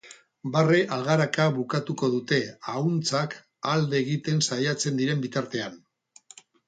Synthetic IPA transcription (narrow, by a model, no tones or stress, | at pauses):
bare̞ʔalɣaɾakaβukat̪uko̞ð̞ut̪e̞aunt͡sak | ald̪e̞ːɣit̪e̞nsajat͡se̞nd̪iɾe̞mbit̪aɾt̪e̞an